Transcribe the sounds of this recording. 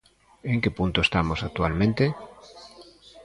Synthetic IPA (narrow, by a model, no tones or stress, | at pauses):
eŋkepunt̪oest̪amosak̚t̪ualmẽnt̪e